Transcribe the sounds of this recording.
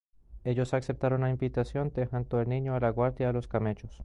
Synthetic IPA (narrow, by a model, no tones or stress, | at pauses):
e̞ʝo̞saksep̚t̪aɾonlaimbit̪asjo̞nt̪exant̪oelnĩɲoalaɣwaɾðjaːlo̞skamet͡ʃos